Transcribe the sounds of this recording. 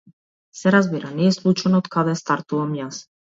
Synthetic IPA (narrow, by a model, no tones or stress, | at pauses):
seɾazβiɾanieslut͡ʃonot̪kaðast̪aɾt̪uomjas